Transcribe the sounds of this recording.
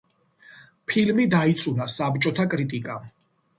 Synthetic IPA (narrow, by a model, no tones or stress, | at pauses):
pʰilmid̪ait̪sʼunasabt͡ʃʼɔt̪ʰakʼɾit̪ʼikʼam